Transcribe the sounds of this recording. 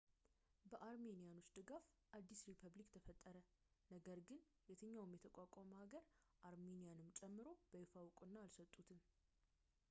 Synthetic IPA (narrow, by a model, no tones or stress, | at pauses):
bəʔaɾme̞nijanwʊsd̪ɨɡafʔad̪ːisɾipʰəβlikt̪ʰəfət̪ʼːəɾə | nəɡəɾɡɨn | jet̪ʰɨɲːawmjɛt̪ʰəkʼakʷʼɔməhaɡəɾ | ʔaɾme̞nijanɨmt͡ʃʼɛmːɨɾo̞bəjɪfawkʼɨnːaalsət̪ʼːut̪ʰɨn